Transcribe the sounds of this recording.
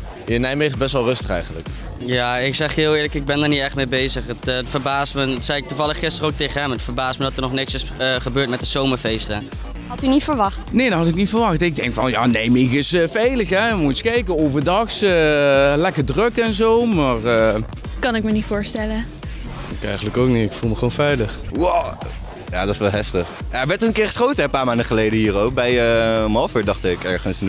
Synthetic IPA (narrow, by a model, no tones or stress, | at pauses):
jənɛjmeχbɛstʋɛlˠrɵstəχɛ̰jənlə̰k | jaːɪksɛχɦɪːlˠɪːɹləkɪɡ̚bɛndəɹnitɛχtmejbejzəχəttfəɹbaːstməsɛjɪk̚tuvɑləχːɪstərowk̚tejχəɦɛmətfəɹbaːstmədɑtəɹnɔχnɪksɪsəχəbøːɹt̚mɛt̚dəzowməɹvejstə | ɦɑtynitfəɹʋɑxtnejdɔnɦɑtɪknitfəɹʋɑxtɪɡ̚dɛŋkfɔ̰nja̰ːnejmɪkɪsəfejləxɛmuskɛjkəowvərdɑxsəlɛkəɹdrøkɛnzowmaːrə | kɑnɪkmənitfʊːɹstɛlə | ɪkɛ̰jχənləkowk̚nitɪkfulˠməχəoːnfɛjləχwo | ja̰ːdɑtsʋɛlˠɦɛftəχaʋɛɹtɔənkɪːɹχə̥sχowtəɛpaːɹmaːndəχəlejdəɦiːrowk̚bɛjəɔmɦɑlˠfyːɹdɑχtɪkɛ̰ɹχənsn